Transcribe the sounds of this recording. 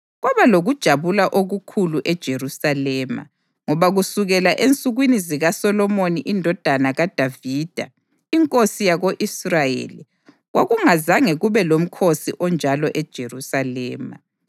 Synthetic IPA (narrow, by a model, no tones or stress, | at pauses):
ɣwaβaloɣud̥ʒ̥ʱaβulaʔoɣukʰuluʔɛd̥ʒ̥ʱerusalɛːma̰ | ŋɔβaɣusuɣɛlaʔent͡sʼuɣwiniziɣasɔlɔmoniʔindʱɔd̥ʱanaɣad̥ʱaviːd̥ʱa̰ | iŋkʼosijaɣoʔisrajḛːli | ɣwʔaɣuŋazaŋɛɣuβɛlom̩kʰosiʔɔnd͡ʒʱalɔʔɛd̥ʒ̥ʱerusalɛːma̰